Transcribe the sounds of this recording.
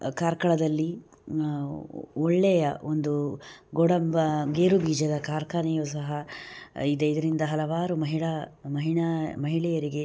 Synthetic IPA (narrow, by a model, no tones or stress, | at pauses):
kaːɾkɐɭɐd̪ɐlːi | ɔɭːɛjɐond̪uɡɔɽɐmbɐɡeːɾubiːd͡ʒɐd̪ɐkaːɾkaːnijus̬ɐɦɐ | id̪eid̪ɐɾind̪ɐɦɐlɐʋaːɾumɐɦiɭɐmɐɦiɳɐmɐɦiɭɛjɐɾiɡe̞